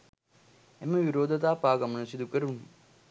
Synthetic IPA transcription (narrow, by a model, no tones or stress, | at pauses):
emːɐʋiɾoːd̪ʱɐt̪aːpaːɡɐmɐnɐsid̪ukɐɾun